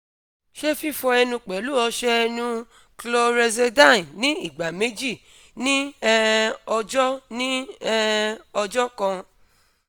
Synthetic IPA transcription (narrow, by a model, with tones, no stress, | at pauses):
ʃe˦fi˦˨fɔ˧ɛ˧nũ˧k͡pɛ˨˦lu˦ɔ˧ʃɛ˦˧nũ˧ | klo˧ɾɛ˧zɛ˧dã˦˨nĩ˦i˦˨ɡ͡ba˨me˨˦d͡ʒi˦˨ | nĩ˦ɛ˧ɔ˧d͡ʒɔ˦nĩ˦ɛ˦ɔ˧d͡ʒɔ˦kã˧